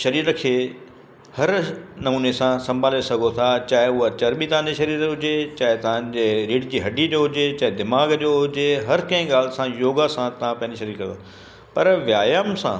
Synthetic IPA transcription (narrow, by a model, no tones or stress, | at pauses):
ʃɐɾiːɾkʰeː | hɐɾnɐmuːnesãsɐ̃mbʱaːlesɐɡʱot̪ʰat͡ɕaːɪʊat͡ɕɐɾɓit̪ɐʋãɲd͡ʑeʃɐɾiːɾɦʊd͡ʑet͡ɕaːɦɪt̪ɐʋ̤ãɲd͡ʑeɾiːɖd͡ʑiːɦɐɖid͡ʑoɦʊd͡ʑet͡ɕaːɦɪd̪ɪmaːɡd͡ʑoɦʊd͡ʑeɦɐɾkɐ̃ɦɪ̃ɡaːlɪsãjoːɡasãt̪ɐʋ̤ãpɐ̃ɦɪ̃ɲd͡ʑiʃɐɾiːɾkɐ̃na | pɐɾʋjaːjəmsã̰